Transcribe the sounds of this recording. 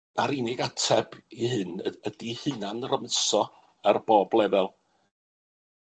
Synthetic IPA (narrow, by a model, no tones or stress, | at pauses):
naɾɪnɪɡatʰɛbihɨnədihɨnanrəmɨsɔ | arb̥oːblˠɛvɛlˠ